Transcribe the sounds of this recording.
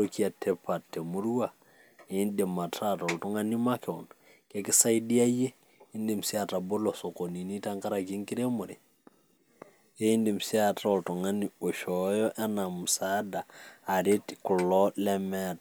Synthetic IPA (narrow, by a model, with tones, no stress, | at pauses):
oki˦a˨tʰɛ˦pa˨tːe˨mu˦ɾu˦wa˨ | e˨˦nde˨ma˨tʰa˦tɔ˨ltɔ˦ŋa˦ni˦ma˦kɛ˨ɔ˨n | kɛ˦kɪ˦sa˦jdi˦a˦je˦ | i˦nde˨msi˦a˨ta˨bo˦lɔ˨so˨ko˨ni˨ni˦ta˦ŋka˦ɾa˨ki˦ŋki˦ɾe˦mo˨ɾe˨ | e˦i˦ndi˨msi˦a˨tɔ˨ltɔ˨ŋa˦ni˨o˨ʃɔ˨jɔ˦ʔɛ˦na˨mu˨sa˦daː˨ɾe˦tkʊ˨lɔ˦lɛmɛ˦˨t̚